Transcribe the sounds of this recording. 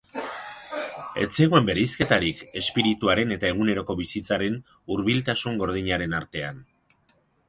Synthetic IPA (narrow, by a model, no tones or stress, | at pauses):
e̞̰t͡seɣue̞mbe̞ɾejske̞t̪aɾike̞spiɾit̪uaɾe̞ne̞t̪ae̞ɣ̞une̞ɾo̞ko̞βisit͡saɾe̞n | uɾβilt̪asuŋɡo̞ɾð̞iɲaɾe̞naɾt̪e̞an